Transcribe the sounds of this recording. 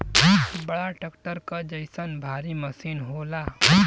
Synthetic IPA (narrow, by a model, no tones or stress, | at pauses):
bɐɭaʈəkʈəɾkad͡ʒəjsənbʱaːɾiməsiːnɦola